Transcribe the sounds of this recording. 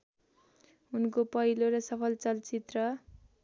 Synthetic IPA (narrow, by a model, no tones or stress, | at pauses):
unkopʌɦiloɾʌsʌpʰʌlt͡sʌlt͡sit̪rʌ